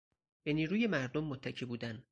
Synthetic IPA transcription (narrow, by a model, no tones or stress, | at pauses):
b̥e̞niːɾuːje̞mæɾd̪omːot̪ʰːæcʰebuːd̪æn